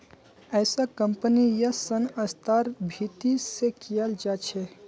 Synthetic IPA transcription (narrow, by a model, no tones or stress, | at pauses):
əɪsakəmpənijəsənəst̪aɾbʱit̪isekijəld͡ʒat͡ʃʰe